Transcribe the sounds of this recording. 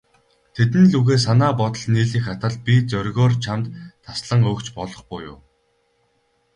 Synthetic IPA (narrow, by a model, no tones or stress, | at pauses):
t̪ʰet̪ɘ̆nɮuɣeːs̬anaːpɔt̪ɞ̆ɮniːɮiːxat̪ăːɮpʲit͡sœɾʲɣɔːrt͡ɕʰamt̪ʰːasɮə̆ŋɵːkt͡ɕpɔɮɞ̆χpʊːjʊ̰ː